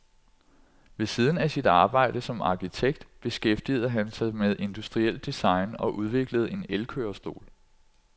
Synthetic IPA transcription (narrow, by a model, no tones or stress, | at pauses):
ʋe̝siːð̞ˠn̩æsid̥ɑ̈ːb̥ɑ̈ɪ̰d̥əsɒ̽mɑ̈ːkʰit͡sʰeɡ̥̚d̥b̥e̝sɡ̥efd̥ḭð̞̩ˠəɦænsɑ̈ɪmeðˠʔe̝nd̥usd̥ʁiel̰d̥isɑ̈ɪnɒ̽ʔuðˠʋe̝ɡ̥ləð̞̩ˠe̝nelkʰø̰ːɐsd̥o̝̰ːl